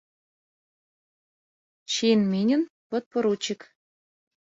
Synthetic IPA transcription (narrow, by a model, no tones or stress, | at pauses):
ɕinminʲə̆npɤ̆t̪̚pɤ̆ɾut͡ɕik